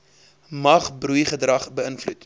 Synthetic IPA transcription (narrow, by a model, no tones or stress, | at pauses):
mɐχbrujχədrɐχbəənflṵt